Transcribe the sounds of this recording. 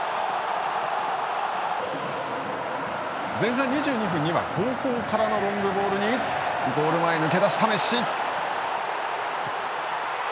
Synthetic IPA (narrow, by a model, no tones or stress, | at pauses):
d͡zẽ̞ɰ̃ɦãɲ̟ːiʑɨːɲ̟iɸɯ̟̃ɲ̟ːiβa̰kʰo̞ːkoːkaɾano̞ɾõ̞ŋɡɯ̟bo̞ːɾɯ̟ɲ̟i | ɡo̞ːɾɯ̟maenɯ̟ke̞d̪aɕi̥t̪ame̞ɕi